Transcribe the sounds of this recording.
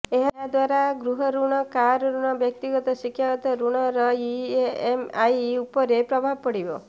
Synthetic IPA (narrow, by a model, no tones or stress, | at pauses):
eɦaɦad̪waɾaɡɾuɦɔɾuɽ̃ɔkaɾɾuɽ̃ɔbjʌk̚t̪iɡɔt̪ɔʃikʰːjaɡɔt̪ɔɾuɽ̃ɔɾɔiemajupɔɾepɾɔbʱabpɔɽibɔ̰